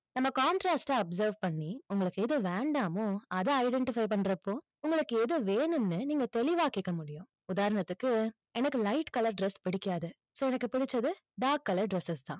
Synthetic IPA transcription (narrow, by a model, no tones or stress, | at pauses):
nɐmːɐkaːɳʈɾaːsʈːaɐbsɐɾʋpɐɳːiʊŋɡɐɭɯkːɯɛðɯʋeːɳɖaːmoːɐðɐɐɪɖɛɳʈɪfɐɪp̬ɐɳːɾɐpːoː | ʊŋɡɐɭɯkːɯɛðɯʋeːɳɯmnɯniːŋɡɐt̪ɛlɪʋaːkɪkːɐmʊɽɪjʊ̃ | ʊðaːɾɐnɐt̪ːɯkːɯ | ɛnɐkːɯlɐɪʈkɐlɐɾɖɾɛspɪɽɪkːaːðɯ | soːɛnɐkːɯpɪɽɪt͡ʃːɐðɯ | ɖaːkːɐlɐɾɖɾɛsːɐst̪ã̰ː